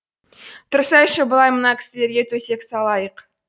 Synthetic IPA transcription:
t̪ʰʊɾsɑjʃəbəlˠɑjmənɑkʲʰɪ̥sɪle̞ɾɡʲe̞t̪ʰɵse̞ksɑlˠɑjəq

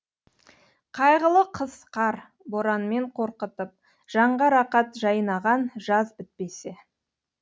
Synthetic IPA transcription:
qʰɑjʁəlˠəqʰəz̥qʰɑɾ | bo̞ɾɑnme̞ɴqʰo̞ɾqət̪əp̚ | ʒ̥ɑɴʁɑɾɑqɑt̪ʒɑjənɑʁɑnʒɑzbɪt̪̚pe̞se

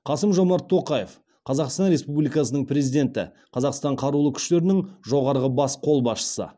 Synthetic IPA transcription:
qʰɑsəmʒo̞mɑɾt̪ʰːo̞qɑjef | qʰɑzɑqst̪ɑnɾe̞spublijkɑsənəɴpʰɾe̞zijd̪ʲe̞nt̪ɪ̰ | qʰɑzɑqst̪ɑɴqʰɑɾulˠəkʲʰʏ̥ʃt̪e̞ɾɪnɪŋʒo̞ʁɑɾʁəbɑsqʰo̞lˠbɑsʃə̥sə̰

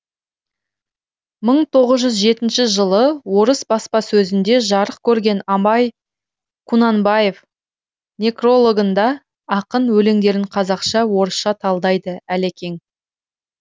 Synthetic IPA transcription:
məɴt̪ʰo̞ʁəzʒʏzʒe̞t̪ɪnʃɪʒəlˠəwo̞ɾəsbɑspɑsɵzɪnd̪e̞ʒɑɾəqkʲʰɵɾɡʲe̞nɑmɑj | kʰunɑnbɑje̞f | nʲekro̞lˠo̞ɡənd̪ɑ | ɑqənwɵle̞ŋd̪e̞ɾɪɴqʰɑzɑqʃɑwo̞ɾəsʃɑt̪ʰɑlˠd̪ɑjd̪əælekʲe̞ŋ

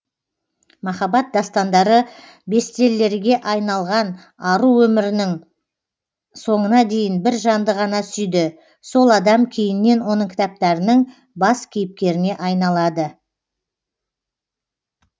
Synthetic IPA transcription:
mɑχɑbɑt̪̚d̪ɑst̪ɑnd̪ɑɾə | be̞st̪e̞lːe̞ɾɡʲe̞ʔɑjnɑlˠʁɑn | ɑɾuwɵmɪɾɪnɪŋ | so̞ɴənɑd̪e̞jɪnbɪɾʒɑnd̪əʁɑnɑsʏjd̪ɪ | so̞lˠɑd̪ɑmkʲʰejɪnːe̞nwo̞nəŋkʲʰɪ̥t̪ɑp̚t̪ɑɾənəɴ | bɑskʲʰejɪp̚kʲe̞ɾɪne̞ʔɑjnɑlˠɑd̪ə

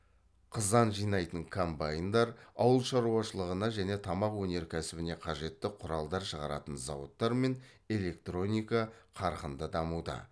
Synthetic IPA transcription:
qʰəzɑnʒijnɑjt̪əŋkʰombajɪnd̪ɑɾɑwəlˠʃɑɾuɑʃəlˠəʁənɑʒæne̞t̪ʰɑmɑqwɵne̞ɾkʲʰæsɪbɪne̞qʰɑʒe̞t̪ːɪqʰʊɾɑlˠd̪ɑɾʃəʁɑɾɑ̰t̪ənzɑ̰wə̰t̪ːɑɾme̞n | e̞le̞k̚t̪ro̞nʲijkaqʰɑɾqənd̪əd̪ɑmud̪ə̰

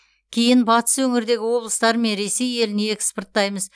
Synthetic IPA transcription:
kʲʰejɪnbɑt̪ə̥swɵŋɪɾd̪e̞ɡʲɪwo̞blˠəst̪ɑɾəme̞nɾe̞se̞je̞lɪneekʲspərt̪ːɑjməz

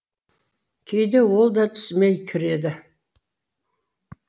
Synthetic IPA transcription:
kʲʰejd̪ewo̞lˠd̪ɑt̪ʰʏ̥smejkʲʰɪɾe̞d̪ɪ

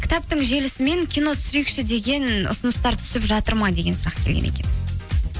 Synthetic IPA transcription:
kʰʲɪ̥t̪ɑp̚t̪əɴʒe̞lɪsɪme̞ŋkʲʰijno̞t̪ʰʏ̥sʏɾejkʃɪd̪e̞ɡʲe̞nʊ̰sʊnəst̪ɑɾt̪ʰʏ̥sɪpʒɑt̪əɾmɑjd̪e̞ɡʲe̞nsʊɾɑqkʲʰe̞lɡʲḛḛkʲe̞̰n

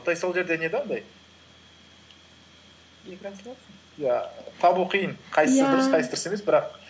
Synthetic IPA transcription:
t̪ɑjsolˠʒe̞ɾd̪e̞ned̪ɑnd̪ɑj | ekʲɾɑsɑsə | jæt̪ʰɑbuqʰijəɴqʰɑjsəəd̪ʊɾsqʰɑjsəd̪ɾə̥se̞me̞sbɪɾɑq

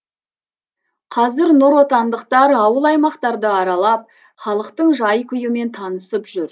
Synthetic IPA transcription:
qʰɑzɪɾnʊɾwo̞t̪ɑnd̪əqt̪ɑɾɑwəlˠɑjmɑqt̪ɑɾd̪əɑɾɑlˠɑp̚ | χɑlˠəqt̪əɴʒɑjkʲʰʏjɪme̞nt̪ʰɑnəsəpʒʏɾ

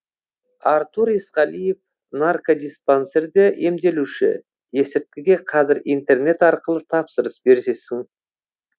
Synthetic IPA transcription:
ɑɾt̪uɾisqɑlijef | narkod̪ʲispanseɾd̪ɪʔemd̪e̞luʃɪ̰ | je̞sɪɾt̪̚kʲɪɡʲe̞qʰɑzɪɾijnt̪e̞rne̞t̪ɑɾqəlˠət̪ʰɑpsəɾəsbe̞ɾse̞sɪŋ

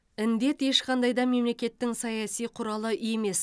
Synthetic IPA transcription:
ɪnd̪e̞t̪e̞ʃqʰɑnd̪ɑjd̪ɑme̞mle̞kʲe̞t̪ːɪŋsɑjɑsijqʰʊɾɑlˠəʔʏjeme̞s

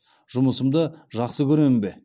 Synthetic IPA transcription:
ʒʊməsəmd̪əʒɑqsəkʲʰɵɾeɪmbe

